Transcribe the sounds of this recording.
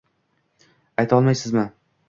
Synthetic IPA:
ajt̪ʰɒlˠmajsɪzmɪ

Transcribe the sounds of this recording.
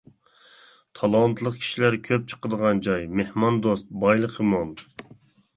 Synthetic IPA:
t̪ʰɑlˠɑnt̪ʰɨlˠəqkʲʰi̥ʃilæɾkʲʰøp̚t͡ʃʰə̥qəd̪əʁɑnd͡ʒɑjmehmɑnd̪ost̪̚bɑjlˠəqəmon

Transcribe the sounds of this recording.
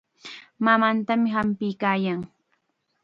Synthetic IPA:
mamant̪amɪɦampɪjkaːjaŋ

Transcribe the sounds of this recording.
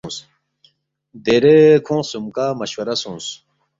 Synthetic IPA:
s | d̪eɾekʰõːsumkaːmɐɕwɐɾɐsũːs

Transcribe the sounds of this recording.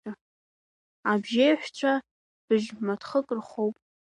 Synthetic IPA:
a | abʒejħʷᶣt͡ʃʷʰa | b̥ɨʒmatʰχəkʼrχowpʼ

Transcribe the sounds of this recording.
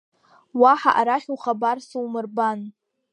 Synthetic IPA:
waħa̰ʔaɾaχʲuχabarsuwmɨrban

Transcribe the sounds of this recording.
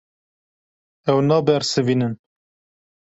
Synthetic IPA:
ɛwnɑːbɛɾsɨvinɨn

